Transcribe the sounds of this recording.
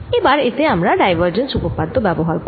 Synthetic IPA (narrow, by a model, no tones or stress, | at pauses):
ebaɾɪt̪eamɾaɖajʋəɾd͡ʒənsubopad̪ːobjɛbɔɦaɾk